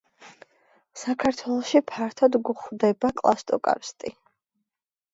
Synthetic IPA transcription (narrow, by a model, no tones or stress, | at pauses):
sakʰaɾt̪ʰwɛlˠɔʃipʰaɾt̪ʰɔd̪ɡuχwd̪ɛbakʼlˠast̪ʼɔ̰kʼa̰fst̪ʼi